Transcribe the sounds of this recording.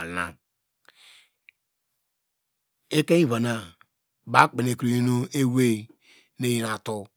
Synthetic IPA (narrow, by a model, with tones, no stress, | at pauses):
na̰˨ | e˦ke˦ĩ˦va˨na˨ | ba˦k͡pe˨ne˨ki˨ɾo˨i˦nu˦e˦we˦ | ne˦ji˨na˨to˦